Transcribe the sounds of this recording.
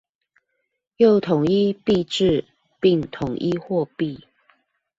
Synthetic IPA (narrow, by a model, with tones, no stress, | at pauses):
jo˥˩ʊt̪ʰʊ˨˩ŋi˦pi˥˧ʈ͡ʂɻ̩˥˨ | pi˥˨ŋt̪ʰʊ˨˩˦ŋʔi˦xwɔ˥˧pi˥˨